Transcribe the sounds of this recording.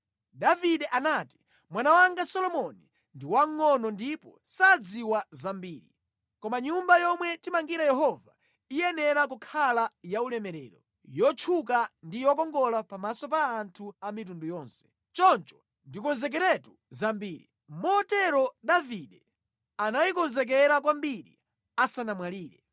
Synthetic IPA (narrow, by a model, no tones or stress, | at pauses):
daviɗɛʔanati̥ | mwanawaŋɡasɔlɔmɔni | ndiwaŋːɔnɔndipɔsad͡ziwazambiːɾi | kɔmaɲumbajɔmwɛtimaŋɡiɾajɛɦɔva | ijɛnɛɾakukʰalajaulɛmɛɾɛ̰ːɾɔ | jɔt͡ʃʰukandijɔkɔŋɡɔlapamasɔpaːntʰuamitundujɔːnsɛ̥ | t͡ʃɔnt͡ʃɔ̥ | ndikɔnzɛk̬ɛɾɛtu | zambiːɾḭ | mɔtɛɾɔdaviɗɛ | anajikɔnzɛk̬ɛɾakwambiɾḭ | asanamwaliːɾɛ̰